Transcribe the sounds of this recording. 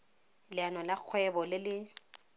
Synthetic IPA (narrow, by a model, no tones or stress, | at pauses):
lɪanɔlak͡xʰwɛbɔlɪlɪ